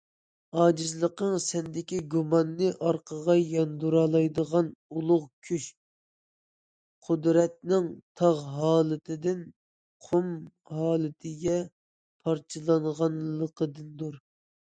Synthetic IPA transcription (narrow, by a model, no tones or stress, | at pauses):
ɑːd͡ʒɨzlˠəqəŋsɛnd̪ɪkʲiɡumɑnːɨʔɑɾqʰəʁɑjɑnd̪uɾɑlˠɑjd̪əʁɑnulˠʊʁkʲʰyʃ | qʰʊd̪ɾɛt̪̚nɪŋt̪ʰɑʁɦɑːlˠɨt̪ʰɪd̪ɪn | qʰum | ɦɑːlˠɨt̪ʰɪɡʲɛ | pʰɑɾt͡ʃʰɨlˠɑɴʁɑnlˠəqʰəd̪ɨnd̪uɾ